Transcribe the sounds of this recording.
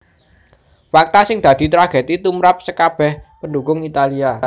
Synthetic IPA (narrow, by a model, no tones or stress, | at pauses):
fak̚t̪asɪŋd̪̥ä̤d̪̥i̤t̪ɾaɡ̥e̤t̪it̪umɾap̚səkab̥ɛhpəndukʊŋit̪alia